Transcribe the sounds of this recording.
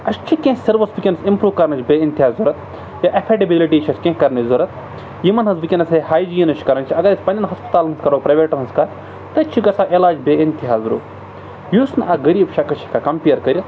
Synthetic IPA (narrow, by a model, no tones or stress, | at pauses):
ɐʃt͡ʃʰikẽːsɐɾʋɐsbikʲenɐsimpɾuːʋkɐɾnɐt͡ʃbeːint̪ʲiɦaːzzuɾɐt̪̚ | jaʔɐpʰeʈɐbiliʈiːt͡ʃʰɐskʲẽːkɐɾnɐzuɾɐt̪̚ | jimɐnɦɐsbikʲinɐsɦehaːjd͡ʒijinɐʃʰkɐɾɐnt͡ʃʰiɐɡɐɾɐsʲpɐnʲɐnɦɐspɐ̥t̪aːlnɐskɐɾoːpɾɐʋeːʈɐnɐskaːɾ | t̪ɐt͡ʃʰikɐsaʔelaːd͡ʒbeːint̪iɦaːzɾṵː | jusnɐɡɐɾiːbʃakɐt͡ʃʰi̥kakɐmpijɐɾkɐɾʲit̪